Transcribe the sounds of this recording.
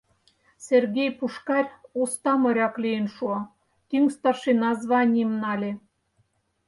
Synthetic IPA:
sʲerɣʲejpuʃkɑrʲost̪ɑmɤ̆ɾʲɑklijenʃuɑ | k̪yŋst̪ɑʃenɑzβɑnʲiemnɑlʲe

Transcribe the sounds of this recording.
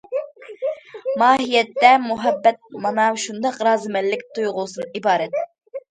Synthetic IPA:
mɑːɦijɛt̪ːɛmuɦɛbːɛt̪̚mɑnɑʃund̪ɑqɾɑːzɨmɛlːɪk̚ʲt̪ʰujʁʊsɨnibɑːɾɛt̪̚

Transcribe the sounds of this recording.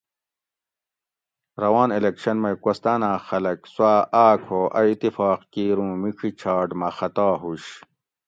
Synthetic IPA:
ɾɐwaːnelekɕɐnmɐjkost̪aːnãːxɐlɐkswaːʔaːkʰoːʔɐit̪ifaːqkiːɾũːmiʈ͡ʂʰit͡ɕʰaːɖmɐxɐt̪aːɦuɕ

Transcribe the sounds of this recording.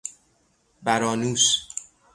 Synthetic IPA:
bæɾɒːnuːs

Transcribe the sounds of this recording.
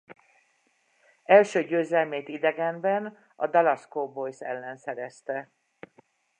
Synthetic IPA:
ɛlʃøːɟøːzɛlmeːt̪id̪ɛɡɛmbɛn | ɒd̪ɒlɒskobojsɛ̰lːɛnsɛɾɛst̪ɛ

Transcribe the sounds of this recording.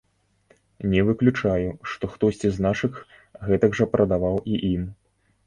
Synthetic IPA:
nʲɛvɨklʲut͡ʂajuʂt̪ɔxt̪ɔsʲt͡sʲiznaʂɨx | ɣɛt̪ɐɡʐɐpɾʔɐd̪avawiʔim

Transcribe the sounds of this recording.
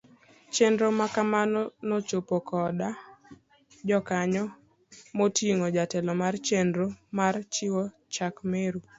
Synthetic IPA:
t͡ʃendɾomakamanɔnot͡ʃopokɔda | d͡ʒɔkaɲɔ | motiŋod͡ʒatɛlɔmart͡ʃendɾomart͡ʃɪwɔ | t͡ʃakmeɾu

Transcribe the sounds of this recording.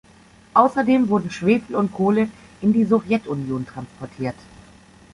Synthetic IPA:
ʔaʊsɐdeːmvʊɐdn̩ʃv̥eːfl̩ʊntkʰoːlə | ʔɪndiːzɔvjɛtʰʊnjoːntʁ̥anspɔɐtʰiːɐt

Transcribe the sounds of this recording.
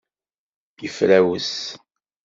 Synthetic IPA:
jəfɾæwəs

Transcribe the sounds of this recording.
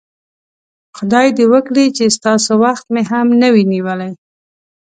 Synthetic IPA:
xʊd̪ɑjd̪ewəkɽit͡ʃest̪ɑsowaxt̪̚meɦamnəwiniwəlaj

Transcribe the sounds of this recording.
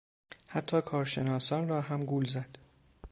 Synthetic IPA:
hæt̪ʰːɒːkʰɒːɾʃe̞nɒːsɒːnrɒːɦæmɡuːlzæd̪̥

